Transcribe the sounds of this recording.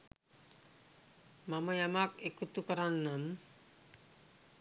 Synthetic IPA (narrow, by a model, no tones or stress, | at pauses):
mamʌjamakekut̪ukʌɾanːam